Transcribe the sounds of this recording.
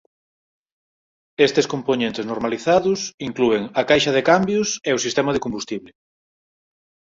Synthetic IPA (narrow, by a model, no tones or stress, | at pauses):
est̪eskomponẽnt̪eɪznoɾmaliθaðʊsiŋklueŋɐkajʃɐð̞ekambjʊseosist̪ɛmað̞ekombust̪iβlɪ